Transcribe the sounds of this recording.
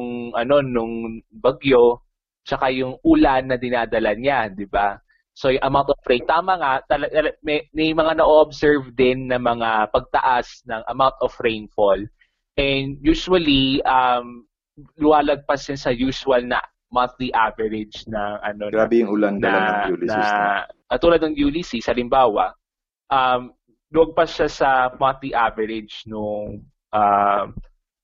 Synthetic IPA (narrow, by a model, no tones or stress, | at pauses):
ŋʔɐno̞nʊŋbɐɡjo̞ | t͡ʃɐkajʊŋʔulanːɐd̪ɪnaːd̪ɐlɐɲad̪ɪba | so̞jʊŋʔɐmaw̃nt̪ofɹejnt̪aːmɐŋat̪ɐlɐɐlmɛmɛjmɐŋanɐʔoːʔobsɛɹvd̪ɪnːɐmɐŋapɐɡ̚t̪ɐ̰ʔasnɐŋʔɐ̰mawnt̪ofɹejnfol | ʔɛnd̪̚juːsuwɐliʔɐm | lʊmaːlɐɡ̚pɐsjɐnsɐjuːʃʊwɐlnɐ̰ | mɐt̪iʔavɛɾɪd͡ʒnɐŋɐnoɡɾaːbɛjʊŋʔuːland̪ɐɐnɐuliɐkɐt̪uːlɐd̪nɐŋjuːlisisɐʔɐlɪmbaːwɐ̰ʔ | ʔɐm | lʊwɐɡ̚pɐʃasɐmɐt̪iʔavɛɾɪd͡ʒnʊŋ | ʔam